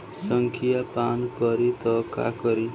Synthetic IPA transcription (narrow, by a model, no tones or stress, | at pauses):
sʌŋkʰijapankʌɾit̪ʌka̰kʌɾi